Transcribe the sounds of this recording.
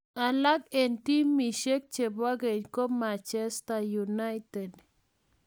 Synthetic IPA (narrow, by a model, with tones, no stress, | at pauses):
a˨la˦ke˨nt̪i˦mi˨ʃe˦k̚t͡ʃe˨bwa˦ɡe˨ɲko˦ma˨t͡ʃe˦st̪a˨ju˨na˦jt̪e˨d̪